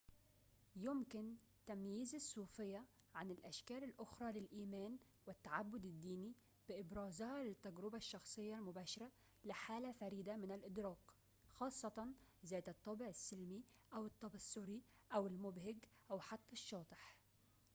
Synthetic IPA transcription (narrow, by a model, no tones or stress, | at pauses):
jʊmkɪn | t̪amjiːzɪsˤːuːfɪjːaʕanɪlʔaʃkæːlɪlʔʊxɾˤɑlɪlʔiːmæːn | wɪt̪ːaʕabːʊd̪ɪd̪ːiːni | b̥ɪʔɪbɾɑːzhɑlɪt̪ːaɡɾɪbaʃːɑxsˤɨjːɑlmʊbæːʃɑɾa | lɪħaːlafaɾiːd̪amɪnɪlʔɪd̪ɾɑːq | xɑːsˤːɑt̪ˤɑnzæːt̪ɨt̪ˤːɑbɪʕɪsːɪlmiʔawɨt̪ˤːɑbɪsˤːʊɾi | ʔawɪlmʊbhɪɡʔawħat̪ːæʃːɑːt̪ˤɪħ